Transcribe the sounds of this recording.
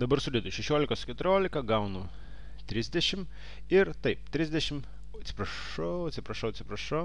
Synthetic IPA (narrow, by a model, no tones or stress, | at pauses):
d̪ɐbɐɾsʲʊd̪ʲɛd̪ʊʃʲɛʃʲoːlʲɪkoːskʲɛt̪ʊɾʲoːlʲɪkɐɡɐʊnʊ | t̪ʲɾʲɪzʲd̪ʲɛʃʲɪm | ɪɾt̪ɐɪp̚t̪ʲɾʲɪzʲd̪ʲɛʃʲɪm | ɐt̪sʲɪ̥pɾɐʂ | ɐʊɐt̪ʲsʲɪpɾɐʃɐʊɐt̪sʲɪpɾɐʃɐʊ